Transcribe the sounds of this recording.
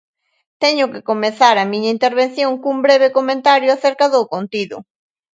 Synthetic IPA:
t̪eɲʊkekomeθaɾamĩɲaint̪eɾβẽnθjõŋkumbɾeβekomẽnt̪aɾjoaθeɾkaðokont̪iðʊ̰

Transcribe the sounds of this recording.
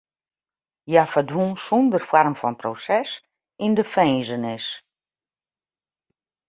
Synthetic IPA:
jafədʋunsundərfwarmfɔnprosɛs | indəfɛːzənɪs

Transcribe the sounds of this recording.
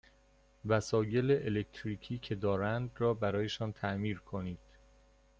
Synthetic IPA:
væsɒːje̞leʔelekt̪ʰɾiːcʰiːcʰe̞d̪ɒːɾænd̪rɒːbæɾɒːje̞ʃɒːnt̪ʰæʔmiːɾkʰo̞niːd̪̥

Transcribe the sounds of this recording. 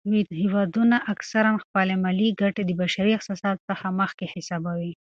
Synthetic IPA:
mid̪hiwɑd̪unaʔaksaɾamxpɑlemaliɡaʈed̪əbaʃaɾiɪqsɑsɑt̪səxaməxkehɪsɑbawi

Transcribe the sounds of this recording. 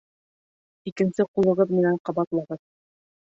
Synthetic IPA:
ikɘ̆nsɘqulˠɤ̆ʁɤðmĭnæɴqɑbɑt̪lˠɑʁɤð

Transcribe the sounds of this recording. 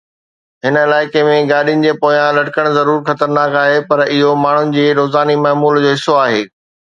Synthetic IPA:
ɦɪnə̆ɪlaːɪkemẽɡaːɗijʊnɪ̆d͡ʑeːpoːjãlɐʈɪkəɽ̃zɐɾuːɾxɐt̪əɾnaːkaːɦepɐɾɪɦomaːɳ̤ʊnɪ̆d͡ʑeːɾoːzaːnimaːmuːld͡ʑoːɦɪsːoaːɦeː

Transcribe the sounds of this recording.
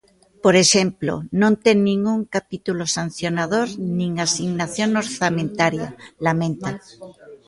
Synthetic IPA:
poɾeʃemplo̰nõnt̪enːĩŋɡuŋkapit̪ulosan̟θjonaðoɾnĩŋasiɣnaθjonoɾθamẽnt̪aɾjalamẽnt̪a

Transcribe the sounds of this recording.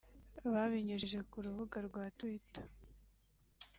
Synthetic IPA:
βaβiɲiʒʒe̞kuɾuβuɡaɾɡwaːtwitḁ

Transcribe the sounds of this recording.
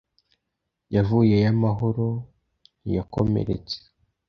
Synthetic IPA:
javuje̞jamaɦoɾo | nijako̞̰mḛɾe̞̰t͡se̥

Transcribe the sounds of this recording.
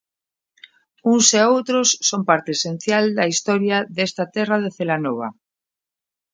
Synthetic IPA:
uŋseowt̪ɾosːompaɾt̪eesẽn̟θjald̪aist̪ɔɾjaðest̪at̪ɛrað̞eθelanoβa

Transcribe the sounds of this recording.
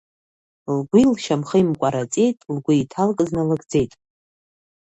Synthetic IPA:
lɡʷilʃamχəimkʷʼaɾat͡sʼejtʼlɡʷʊitʰalkʼɨznɨlɨɡd͡ze̞jtʼ

